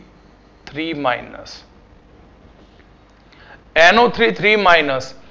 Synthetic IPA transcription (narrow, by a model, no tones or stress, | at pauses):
t̪ʰɾiːma̰ɪnə̰s | ɛnot̪ʰɾiːt̪ʰɾiːmaɪnəs